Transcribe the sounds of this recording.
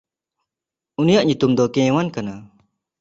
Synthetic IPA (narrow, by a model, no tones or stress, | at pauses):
unijaʔ̚ɲut̪umd̪ɔkɛ̃wankana